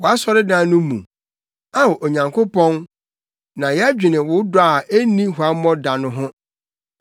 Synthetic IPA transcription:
wɔ˨a˦sɔ˦ɾɪ˦dã˦nʊ̃˦mṵ̃˨ | a˦wɔ˨ʔo˨ɲã˨ŋkʰo˦pʰɔ̃˦n | nã˨jɛ˦æ˦d͡ʑᶣi˨nɪ̃˨wʊ˨˦dʊ˦a˨ʔe˦nĩ˦ɦʊ˨a˦mɔ̃˦da˨nʊ̃˦ɦʊ̃˦

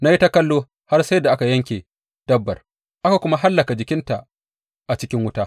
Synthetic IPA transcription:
na˦ji˦ta˦kɐ˦lːoː˦ | ha˦rsa˦jda˨ʔa˦ka˨jɐ˦ŋkʲeː˨ | d̥ɐ˦bːɐ̰˨r | ʔa˦ka˨kʷʊ˦ma˦ɦa˦lːɐ˨ka˨d͡ʒɪ˨kʲɪ˦nta˨ʔ | ʔa˨t͡ʃɪ˦kʲɪ˦ŋwʊ˦taː˦

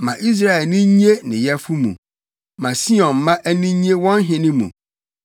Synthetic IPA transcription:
mã̰˨ʔi˦s̬ɾa˦˨ɛ˨lnĩ˦ɲi˦e˦nɪ̰̃˨jɛ˦fu˦mṵ̃˨ | mã˨si˦ɔ̃˨n˨˦mã˦ʔæ˦nĩ˦ɲ˦e˦wɔ̃˦n˦ɦɪ̃˨nɪ̃˦mṵ̃˨

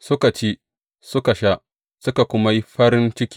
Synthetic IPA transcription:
sʊ˦ka˨t͡ʃeː˦ | sʊ˦ka˨ʃa˦ʔ | sʊ˦ka˨kʷʊ˦ma˦ji˦ɸɐ˦ɾɪ˦nt͡ʃɪ˦kʲi̥˦

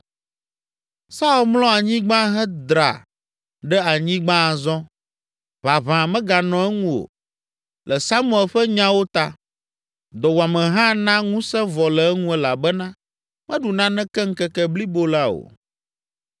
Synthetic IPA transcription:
sa˦u˦lmlɔ̃˦a˨ɲĩ˦ɡ͡bã˦ɦɛ̃˦d̪ɾa̰˨ | ɖɛ˦a˨ɲĩ˦ɡ͡bã˦˨zɔ̃˦ | βa˨βã˨mɛ̃˦ɡa˨nɔ̃˨ɛ˦ŋũ˦o̰˨ | lɛ˨sa˦mũ˦ɛ˨lɸɛ˦ɲã˦wo˦t̪a˦ | d̪ɔ˨wa˨mɛ̃˨ɦã˦nã˦ŋũ˦sɛ̃˦vɔ˨lɛ˨ɛ˦ŋũ˦ɛ˦la˨bɛ˦nã˦ | mɛ̃˦ɖu˨nã˦nɛ̃˦kɛ˦ŋ̩˦kɛ˦kɛ˦bli˦bo˦la˦o̰˨

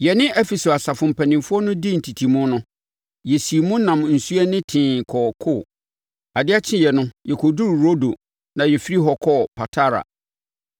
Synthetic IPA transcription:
jɛ˨nɪ̃˦ʔɛ˦fi˨so˨a˨sa˨fʊ̃˨m̩˨pʰæ˨nĩ˨mfʊ˦ɔ˦nʊ̃˦di˦n̩˨tʰi˨tʰi˨mʊ̃˦nʊ̃˦ | jɛ˨si˨mũ˦nã˨m˨n̩˨su˦ɛ˦nɪ̃˦tʰɪ̃˨kʰɔː˨kʰʊ˦˨ | a˨dɪ˦a˦t͡ɕʰɪ̃˦jɛ˨nʊ̃˦jɛ˨kʰɔ˨du˦ɾɾo˦do˨ | nã˨jɛ˨fi˦ɾi˦ɦɔ˨kʰɔ˦pʰa˨tʰa˦ɾa̰˨

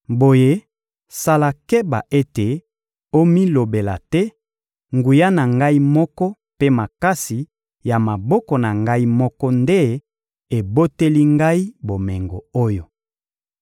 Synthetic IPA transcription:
bo˨je˦ | sa˦la˨kɛ˦ba̰˨ʔe˦te˨ | o˦mi˦lo˨be˨la̰˨tɛ˦ | ŋɡu˨ja˦na˨ŋɡa˦i˦mɔ˦kɔ˦ | pe˦ma˨ka˦si˨ | ja˨ma˨bɔ˦kɔ˨na˨ŋɡa˦i˦mɔ˦kɔ˦nde˦ | e˨bo˦te˦li˦ŋɡa˦i˦bo˨mɛ˨ŋɡo˨o˦jo˨

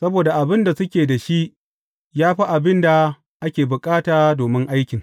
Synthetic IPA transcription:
sɐ˦boː˨da˨ʔa˨bɪ˦nda˨sʊ˦kʲeː˨da˨ʃi˦ʔ | jaː˦ɸi˦ʔa˨bɪ˦nda˨ | ʔa˦kʲeː˨bʊ˨kʼaː˦taː˨doː˨mɪ˦ŋʔa˦jkʲɪ˨ŋ

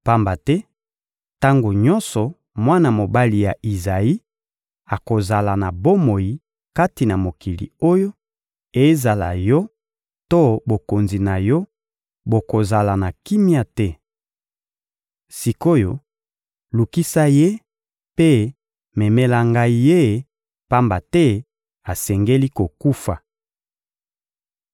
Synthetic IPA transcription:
pa˦mba˨tɛ˦ | ta˦ŋɡo˨ɲɔ˦nsɔ˨ | mwa˦na˨mo˨ba˦li˨ja˨ʔi˨za˨i˦ | a˨ko˨za˨la˨na˨bo˦mo˨ji˨ | ka˦ti˨na˨mo˨kʰi˨lḭ˨o˦jo˦ | e˨˦za˨la̰˨jɔ˦ | to˦bo˨ko˨nzi˨na˨jɔ˦ | bo˨ko˨za˨la˨na˨ki˦mi˦a˦tɛ˦ | si˨ko˦jo̰˦˨ | lu˨ki˦sa˦je˦ | pe˦ | mɛ˨mɛ˦la˦ŋɡa˦i˦je˦˨ | pa˦mba˨tɛ˦ | a˨sɛ˨ŋɡe˦li˦ko˨ku˦fa˨

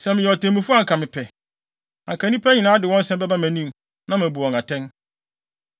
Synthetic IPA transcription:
sɛ˨mɪ̃˨ɛ˨ɔ˨tʰẽ˨mĩ˨fʊ˦a˦ŋ̩˨kʰa˨mɪ̃˨pʰɛ˨ | ã˨kʰa˨˦nĩ˦pʰɛ˦ɲĩ˨nãː˦dɪ˨wɔ̃˦n̩˦sɛ̃˦mbɛ˦ba˦mæ̃˨nĩ˦m | nã˦mɪ̃˨bu˨ɔ̃˨ŋa˨tʰɛ̃˦n

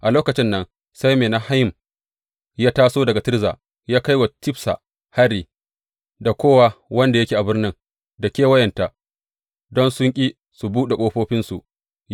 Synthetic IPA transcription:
ʔa˨loː˦kɐ˨t͡ʃɪ˦nːɐ˦n | sa˦jmeː˨na˦ha˦jɪ˨m | jaː˦taː˦soː˦dɐ˨ɡa˨tɪ˦rza̰ː˨ | jaː˦ka˦jwa˨tɪ˦ɸsa̰˨ | ha˦ɾiː˨ | da˨kʷoː˦wa˦wɐ˦nda˨jɐ˦kʲiː˨ʔa˨bɪ˦rnɪ˦ŋ | da˨kʲeː˦wɐ˦jɛ˨nta˨ʔ | dɔ˦nsʊ˦ŋkʲʼiː˦ | su˨buː˦ɗe˨kʷʼoː˦ɸoː˦ɸɪ˦nsu˨ʔ

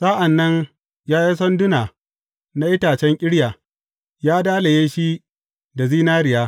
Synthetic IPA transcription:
saː˦ʔa˨nːɐ˦ɲ | jaː˦ji˦s̬ɔ˦ndʊ˦naː˨ | na˦ʔɪ˦taː˨t͡ʃɛ˦ŋkʲʼɪ˦ɽjaː˨ | jaː˦daː˦la˨jeː˦ʃi˦ | da˨ziː˦naː˦ɾɪ˨jaː˦

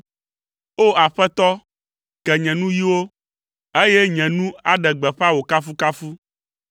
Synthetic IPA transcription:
o˦a˨ɸɛ˦t̪ɔ˦ | kɛ˨ɲɛ̃˨nũ˦ji˦wo˦ | e˦je˦ɲɛ̃˨nũ˦a˨ɖɛ˨ɡ͡bɛ˨ɸa˦wo˨ka˦fu˦ka˦fu˦

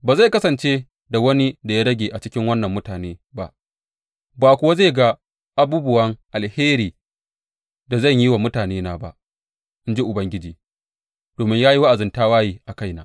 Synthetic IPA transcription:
baː˨za˦˨kɐ˦sɐ˨nt͡ʃeː˦ | da˨wɐ˦ni˦da˨jaː˦ɽɐ˦ɡʲeː˨ʔa˨t͡ʃɪ˦kʲɪ˦ŋwɐ˦nːɐ˨mːʊ˦taː˨neː˦ba˦ʔ | baː˨kʷʊ˦wa˦ze˦˨ɡa˦ | ʔa˨buː˦bʊ˦wɐ˦ŋʔa˨lheː˦ɾiː˨ | da˨zɐ˦˨ɲji˦wa˨mʊ˦taː˨neː˦naː˨ba˦ʔ | ʔɪ˦nd͡ʒi˦ʔʊ˨bɐ˦ŋɡʲɪ˦d͡ʒiː˨ | d̥oː˨mɪ˦ɲjaː˦ji˦wa˦ʔa˨zɪ˨ntaː˦waː˦jiː˨ʔa˨ka˦˨jnaː˨˦

